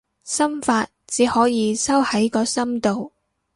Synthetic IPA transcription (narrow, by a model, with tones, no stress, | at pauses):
sɐ˥mfaː˧t̚t͡siː˨˥hɔː˨˥jiː˨˧sɐ˥whɐ˨˥jkɔː˧sɐ˥mt̪o˨w